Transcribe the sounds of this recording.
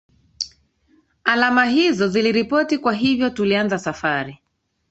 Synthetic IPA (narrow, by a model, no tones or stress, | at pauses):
alamaɦizɔziliɾipɔtikwaɦivjɔtulianzasafaɾi